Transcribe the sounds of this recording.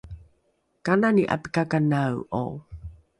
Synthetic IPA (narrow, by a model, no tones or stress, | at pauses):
kananiʔa̰pi̥kakanawʔo̰